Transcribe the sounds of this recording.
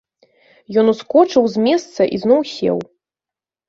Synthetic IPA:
jɔnuskɔt͡ʂɨwzʲmʲɛst̪sɐʔḭznɔwsʲɛ̰w

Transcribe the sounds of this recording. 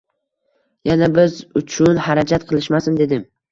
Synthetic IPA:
janabɪzʊt͡ʃʰʊnhaɾad͡ʒat̪̚qʰɨlˠɪʃmasɪmd̪e̞d̪ɪm

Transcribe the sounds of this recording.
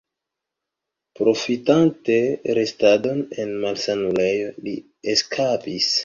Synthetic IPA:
pɾo̞fitante̞ɾe̞stado̞ne̞nmalsanule̞jo̞li | eskʰapis

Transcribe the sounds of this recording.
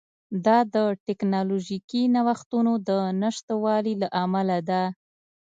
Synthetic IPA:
d̪ɑd̪əʈɪknɑloʒikinawaxt̪unod̪ənaʃt̪wɑlilaʔamalad̪a

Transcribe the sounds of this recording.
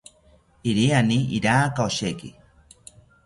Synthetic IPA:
iɾianiḭɾaːkaoʃeki

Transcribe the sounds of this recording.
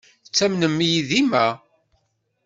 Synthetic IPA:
t͡sːæmnəmːijiðimæ

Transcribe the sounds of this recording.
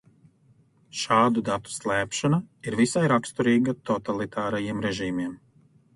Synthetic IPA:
ʃaːd̪ud̪at̪u̥slˠæːpʃanaiɾvisajɾakst̪uɾiːɡat̪ɔt̪alˠit̪ʰaːɾajiɛmɾɛʒiːmiɛm

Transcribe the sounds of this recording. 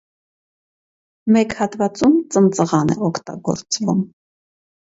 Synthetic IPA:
mɛkhɑt̪vɑt͡sumt͡sənt͡səʁɑnɛ̰ɔkʰt̪ɑ̰ɡɔ̰ɾt͡svum

